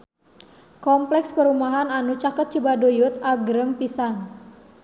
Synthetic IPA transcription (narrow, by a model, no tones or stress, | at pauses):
kɔmplɛkspəɾumaɦananut͡ʃakət̪̚t͡ʃibadojʊt̪̚aɡɾəŋpisan